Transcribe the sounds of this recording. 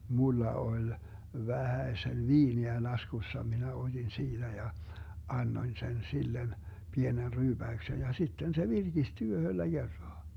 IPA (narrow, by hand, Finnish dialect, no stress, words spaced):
mulːɑ olʲ ʋæhæesen ʋiːniæ lɑskusːɑ minæ od̥in siːd̥æ jɑ ɑnːoĭn sen silːen pienen ryːb̥æyksen jɑ sitːen se ʋirɡ̊isty yhølːæ ɡ̊erːɑː